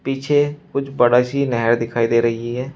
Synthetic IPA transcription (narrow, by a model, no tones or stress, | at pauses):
piːt͡ʃʰeːkʊd͡ʒbəɽaːt͡ʃiːnɛːɦɾd̪ɪkʰaːiːd̪eːɾəɦiiɦɛː